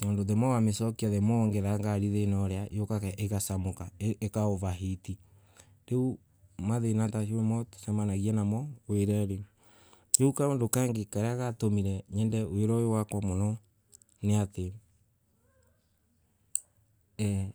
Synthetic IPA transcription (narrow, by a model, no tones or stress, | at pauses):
ɲondoðɛmɔwamesɔkiaðɛmɔːŋɡɛɾaŋɡaɾiðenɔɾɛajokakʔeɣasamokaekaoβaɦiti | ɾeu | maðenataʃoemɔtsɛmanaɣiɛnamɔweɾaɾe | jeukaondokaŋɡekaɾeaɣatomiɾɛɲɛndɛweɾɔjowakwamonɔ | neate | ɛ